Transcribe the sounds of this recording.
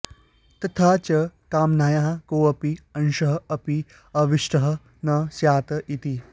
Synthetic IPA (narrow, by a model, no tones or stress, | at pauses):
t̪ɐt̪ʰaːt͡ɕɐkaːmnajaɦkoːɐpiɐnʃɐɦɐɐpi | ɐʋiʂʈɐɦɐ̆ | nɐsjaːt̪ɐʔit̪i